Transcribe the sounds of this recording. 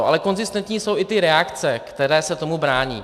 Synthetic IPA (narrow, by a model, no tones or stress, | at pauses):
ʔa̰lɛko̞nzɪst̪ɛnt̪ɲiːso̞wʔɪt̪ɪɾɛakt͡sɛktt̪ɛɾɛːsɛt̪o̞mubɾaːɲḭː